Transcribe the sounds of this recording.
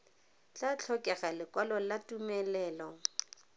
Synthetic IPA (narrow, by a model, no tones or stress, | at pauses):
t͡ɬat͡ɬʰɔkʼɛχalɪkwalɔlatʼumɛlɛːlɔ